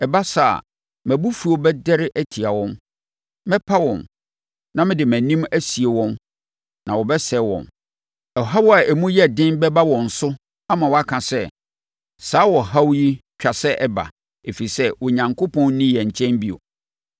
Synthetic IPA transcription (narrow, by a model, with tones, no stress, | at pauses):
ɛ˨ba˦sa̰˨ | mæ̃˨bu˦fu˨o˨bɛ˦dɛ˦ɾɪ˦ʔæ˦tʰi˨a˨wɔ̃˦m | mɛ̃˦pʰa˦wɔ̰̃˨n | nã˦mɪ̃˦dɪ˨mæ̃˨nĩ˦mæ˦si˨e˨wɔ̃˦n | nã˨wɔ˨bɛ˦sɛ˨˦wɔ̰̃˨n | ɛ˨ɦa˦wa˨ʔɛ˨mũ˦jɛ˦˨dɪ̃˦nbɛ˦ba˦wɔ̃˨n̩˨sʊ˦ | a˦mã˨wɔ˨a˦kʰã˨sɛ˦ | saː˨˦wɔ˨ɦa˦wji˦t͡ɕᶣa˨sɛ˦ʔɛ˦ba̰˨ | e˨fi˨i˨sɛ˦wʊ˨ɲã˨ŋkʰo˦pʰɔ̃˦n˦nĩ˦jɛ˨ɲ̩˨t͡ɕʰɛ̃˦nbi˦o̰˨